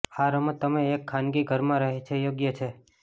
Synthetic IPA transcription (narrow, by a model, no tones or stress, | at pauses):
aɾəmt̪əmeːkʰːanɡiɡʱəɾmãɾəɦet͡ʃʰejoɡjət͡ʃʰe